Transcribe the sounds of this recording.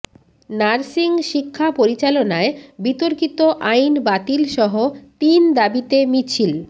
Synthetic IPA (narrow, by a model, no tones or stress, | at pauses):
naɾsiŋʃikʰːapoɾit͡ɕalonaebit̪oɾkit̪oʔajnbat̪ilʃɔɦot̪ind̪abit̪emit͡ɕʰil